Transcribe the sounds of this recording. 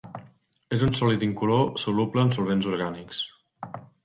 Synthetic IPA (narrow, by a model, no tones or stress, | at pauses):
ezunsɔlit̪iŋkulosulupləːnsulˠβenzuɾɣaniks